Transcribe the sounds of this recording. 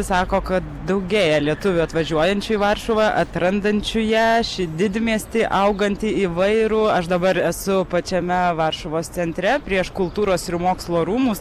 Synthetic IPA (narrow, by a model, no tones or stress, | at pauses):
sɑːkoːkɐt̪d̪ɐʊɡʲeːjɛlʲiɛt̪ʊʋʲʊɐt̪ʋɐʒʲuɔjɛnʲt͡ʃʲʊiʋɐrʃoːʋɑʔɐt̪ɾɐnd̪ɐnʲt͡ʃʲʊjæʃʲɪd̪ʲɪd̪ʲmʲiɛsʲt̪ʲɪʔɐʊɡɐnʲt̪ʲɪiːʋɐɪɾʊɐʃd̪ɐbɐɾɛsʊpɐt͡ʃʲɛmʲɛʋɐrʃʊʋoːst̪t͡s̪ʲɛnʲt̪ʲɾʲɛpʲɾʲiɛʃkʊlˠt̪uːɾoːsɪrmoːkslˠoːɾuːmuːs